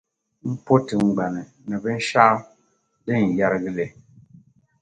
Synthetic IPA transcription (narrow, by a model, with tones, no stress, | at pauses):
m̩˦po˦ti˨ŋ̩˨ɡ͡ba˨nɛ˨ | nɛ˨bɛ˦n̩˦ʃa˦ | di˦˨n̩˨ja˦ɾɡi˦le˨